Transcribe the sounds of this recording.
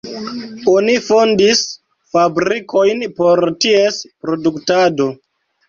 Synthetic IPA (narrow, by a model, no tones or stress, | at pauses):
o̞nifo̞ndis | fabɾikʰo̞jnpo̞ɾtiespɾo̞duktado